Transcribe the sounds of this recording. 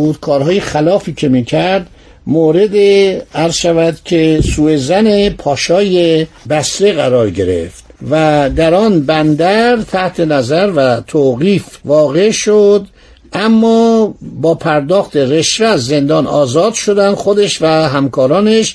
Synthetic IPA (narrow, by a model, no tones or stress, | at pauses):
ud̪̥̚kʰɒːɾhɒːjexælɒːfiːcʰe̞miːcʰæɾd̪ | moːɾe̞d̪eæɾzʃævæd̪cʰe̞suːezænepʰɒːʃɒːje | bæsɾeɣæɾɒːɾɟe̞ɾe̞̰ft̪væd̪æɾɒːnbænd̪æɾt̪ʰæht̪ʰe̞næzæɾvæt̪ʰoːɣiːfvɒːɣe̞ʃod̪ | ʔæmːɒːbɒːpʰæɾd̪ɒːxt̪e̞re̞ʃveæzːe̞nd̪ɒːnɒːzɒːd̪ʃod̪ænd̪̥xo̞d̪eʃvæɦæmkʰɒːɾɒːneʃ